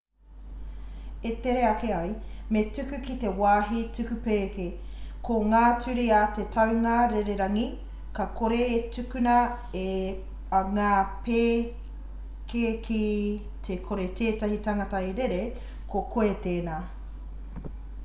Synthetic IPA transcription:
eteɾeɐkeɐjmetʉkʉkite̞waːɦitʉkʉpeːke | kʰoŋaːtʰʉɾiɐtetʰɐwŋaɾeɾeɾɐŋi | kɐkʰoɾeetʉkʉnɐ | e | ŋaːpeː | kekʰi | tʰekʰoɾetʰeːtɐhitɐŋɐtɐjɾeɾe | kʰokʰoeteːnaː

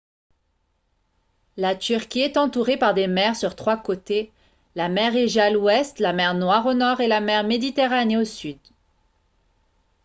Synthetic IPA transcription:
lat̪yʁkʲiɛt̪ɑ̃t̪uʁepaʁd̪emɛʁsyʁt̪χwakot̪e | lamɛʁeʒalwɛst̪lamɛʁnwaʁonɔʁelamɛʁmed̪it̪eʁaneosyd̪

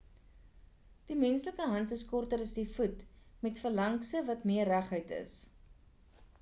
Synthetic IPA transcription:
d̥imɛnsləkəɦɐntəskɔrtəɾəsdifutmɛtfəlɐŋksəvɐtmiərːæχɦœjtə̰s

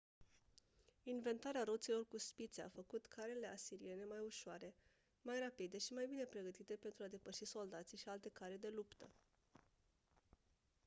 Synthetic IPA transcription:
inve̞nt̪aɾeaɾo̞t̪silo̞rkuspit̪sea̰fəkut̪kʰaɾele̞asiɾie̞ne̞majuʃoaɾe̞ | majrapid̪e̞ʃimajbine̞pɾe̞ɡət̪it̪e̞pe̞nt̪ɾuad̪e̞pəʃiso̞ld̪at̪siʃialt̪e̞kaɾed̪e̞lupt̪ə

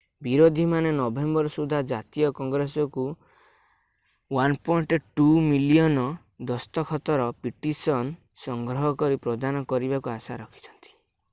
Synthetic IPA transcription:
biɾod̪ʱimanenɔbembɔɾɔsud̪ʱad͡ʒat̪ijɔkɔŋɡɾesɔku | wanpɔiɳʈʈumilijɔnɔ | d̪ɔst̪ɔkʰɔt̪ɔɾɔpiʈisɔn | sɔŋɡɾɔɦɔkɔɾipɾɔd̪anɔkɔɾibakuasaɾɔkʰi̥t͡ʃʰɔ̥nt̪i̥

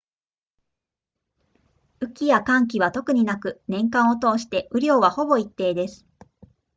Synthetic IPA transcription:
ɯ̟kʲijakãŋk̬ʲiβat̪o̞kɯ̟ɲ̟inakɯ̟nẽ̞ŋkãɰ̃o̞t̪o̞ːɕi̥t̪e̞ʔɯ̟ɾʲo̞ːβaho̞bo̞it̪ːe̞ːd̪e̞sɨ̥

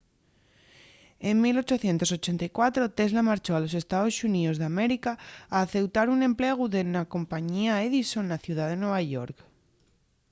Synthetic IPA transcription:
e̞mmilo̞t͡ʃo̞θje̞nt̪o̞so̞t͡ʃe̞nt̪ajkwat̪ɾo̞t̪e̞zlamaɾt͡ʃo̞alo̞se̞st̪aðo̞suniðo̞zðeame̞ɾikaːθe̞wt̪aɾunẽ̞mple̞ɣ̞uðenako̞mpaɲiaeðiso̞nːaθjuð̞aðe̞nwe̞β̞aʝo̞ɾk

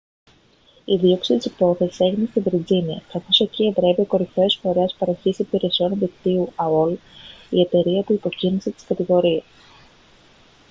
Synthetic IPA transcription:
iðio̞ksit̪ispɾo̞θe̞si̥se̞ʝinest̪ivɾiziniɐ̰kɐθo̞se̞cievɾe̞vioko̞ɾifesfo̞ɾespɐɾo̞çisipiɾe̞sio̞nðikt̪iuɐolie̞t̪e̞ɾiɐp̪uipo̞cinise̞t̪i̥skɐt̪iɣo̞ɾies

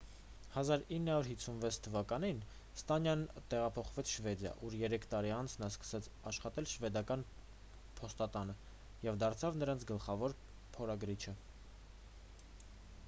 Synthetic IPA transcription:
hɑzɑɾinːəhɑuɾɦit͡sʰːunvɛt͡sʰt̪ʰːəvɑkɑnin | st̪ɑnjɑnt̪ɛʁɑpʰɔχvɛt͡sʰʃvɛd̪jɑ̰ʔuɾjɛɾɛkʰt̪ɑɾiɑnt͡sʰnɑskə̥sɛt͡sʰɑʃχɑt̪ɛlʃvɛd̪ɑkɑn | pʰɔst̪ɑt̪ɑnə | jɛvd̪ɑɾt͡sʰɑvnəɾɑnt͡sʰɡəlχɑvɔɾ | pʰɔɾɑɡɾit͡ʃʰə

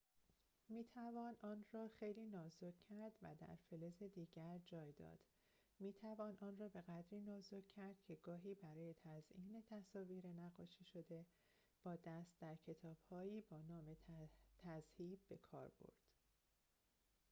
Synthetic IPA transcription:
miːt̪ʰævɒːnʔɒːnɾɒːxejliːnɒːzocʰːæɾd̪væ̰d̪æ̰ɾfeleze̞d̪iːɟæɾd͡ʒɒːjd̪ɒ̰ːd̪̥ | miːt̪ʰævɒːnʔɒːnrɒːbe̞ɣæd̪ɾiːnɒːzocʰæɾd̪̥cʲʰe̞ɡɒːɦiːbæɾɒːje̞t̪ʰæzʔiːne̞t̪ʰæsɒːviːɾe̞næɣɒːʃiːʃo̞d̪e̞ | b̥ɒːd̪æst̪̚d̪æɾcʰe̞t̪ʰɒːb̥hɒːiːbɒːnɒːme̞t̪ʰæzhiːbbe̞kʰɒ̰ːɾb̥o̰ɾd̪̥

